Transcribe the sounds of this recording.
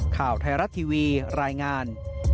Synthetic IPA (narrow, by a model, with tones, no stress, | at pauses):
kʰaː˨˩wt̪ʰaː˧ɾa˦˥t̪ʰiː˧wiː˧ɾaː˧jŋaː˧n